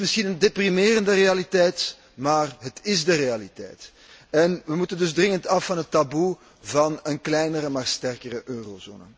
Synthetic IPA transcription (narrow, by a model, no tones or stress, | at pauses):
mɪsxinəndeprimeːrəndərealitɛjt | maːrɦətɪzdəɾealitɛ̰jt | ɛnʋəmutəndɵzdrɪŋəntɑfːɑnɦətːabu | vɑnənklɛjnəɾəmaːrstɛrkəɾəʔøːrozo̰ːnə̰